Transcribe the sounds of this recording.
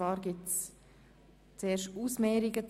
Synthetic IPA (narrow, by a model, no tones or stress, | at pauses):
vɑːɾɡɪts | t͡seːɾʃuːsmɛːɾɪɡət͡s